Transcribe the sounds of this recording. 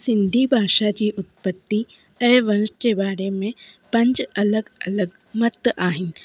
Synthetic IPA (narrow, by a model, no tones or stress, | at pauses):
sɪ̃nd̪ʱibʱaːʃat͡ʃiʔʊt̪̚pət̪ːi | ɛːʋɐnʃkebaːɾemẽpɐ̃ɲt͡ʃɐləɡɐləɡ | mɐt̪ːʔaːɦɪn